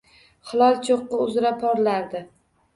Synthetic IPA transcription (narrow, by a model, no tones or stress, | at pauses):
χɨlˠɒlˠt͡ʃʰoqːɑʊzɪɾapʰɒɾlaɾd̪ɪ